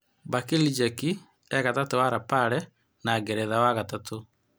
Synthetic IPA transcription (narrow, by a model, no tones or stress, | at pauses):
bakilid͡ʒɛki | ɛɣatatowaɾapaɾɛ | naɡɛɾɛðawaɣatato